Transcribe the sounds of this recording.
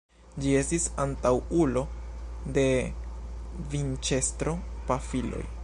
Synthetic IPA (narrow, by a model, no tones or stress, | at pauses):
d͡ʒie̞stisantawulo̞de̞ | vint͡ʃe̞stɾo̞pafilo̞̰j